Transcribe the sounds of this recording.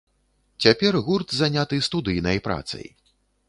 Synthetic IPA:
t͡sʲapʲɛrɣurt̪zanʲat̪ɨst̪ud̪ɨjnɐjpɾa̰t̪sɐ̰j

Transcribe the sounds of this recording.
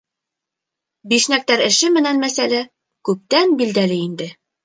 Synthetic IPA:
biʃnæk̚t̪æɾɘ̆ʃɘmɘ̆nænmæsælæ | kʉp̚t̪ænbild̪ælɘind̪ɘ

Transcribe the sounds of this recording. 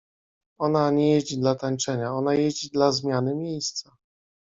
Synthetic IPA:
ɔnaɲɛjed͡ʑid̪lat̪ant͡ʂɛɲaɔnajed͡ʑid̪lazmʲjanɘmʲjejst̪sa

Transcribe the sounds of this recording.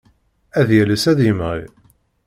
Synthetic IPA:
æðjæləsæðjəmʁḭ

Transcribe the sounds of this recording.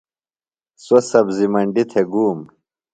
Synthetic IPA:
sosɐbzimɐɳɖit̪ʰeɡuːm

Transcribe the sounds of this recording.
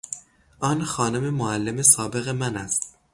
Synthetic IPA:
ʔɒːnxɒːno̞me̞moælːeme̞sɒːbe̞ɣemænæst̪

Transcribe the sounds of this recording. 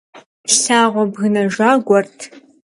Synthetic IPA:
ʃɬaːʁʷɔbɣɨnɐʒaːɡʷɔrtʰ

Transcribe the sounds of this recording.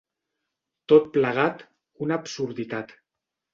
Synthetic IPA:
t̪ot̪̚pləɣat̪ | unapsuɾðit̪at̪

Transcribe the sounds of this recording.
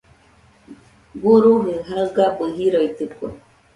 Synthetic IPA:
ɡuɾuɦɨɦaɡapɨɦiɾoit̪ɨkuḛ

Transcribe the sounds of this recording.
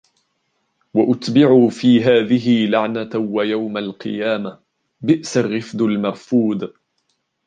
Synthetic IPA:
waʔʊt̪bɪʕuːfiːɦaːðɪɦɪlaʕnawajawmalqɨ̰jaːma | bɪʔsarːɪfd̪ʊlmɑɾˤfuːd̪

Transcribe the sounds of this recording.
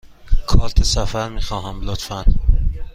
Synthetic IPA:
kʰɒːlt̪ʰesæfæɾmiːxɒːɦæmlot̪fæn

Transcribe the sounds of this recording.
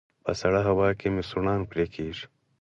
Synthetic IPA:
pɐ̰sɐɽɐɦɐwaːkimisuɾnaːnpɾeːkʰiːʂ

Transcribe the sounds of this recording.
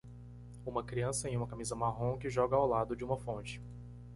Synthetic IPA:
ũmɐkɾiɐ̃sɐẽj̃ũmɐkamizɐmaɦõkɪʒɔɡɐawlad̪ʊd͡ʒɪũmɐfõnt͡ʃɪ̥

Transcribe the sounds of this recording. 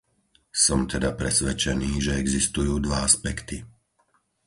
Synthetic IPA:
sɔmt̪ʰɛd̪apɾɛsʋɛt͡ʃɛniːʒɛɛɡzist̪ujuːd̪ʋaaspɛkt̪i

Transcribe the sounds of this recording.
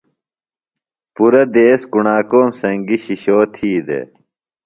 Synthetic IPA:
puɾɐd̪eːskuɳaːkoːmsɐŋɡiɕiɕoːt̪ʰiːd̪ḛ

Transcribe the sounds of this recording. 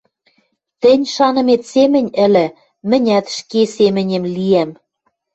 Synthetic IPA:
t̪ɘ̆nʲʃɑnɤ̆met̪semɘ̆nʲɘ̆lɘ̆ | mɘ̆nʲæt̪ʃkesemɘ̆nʲĕmliæm

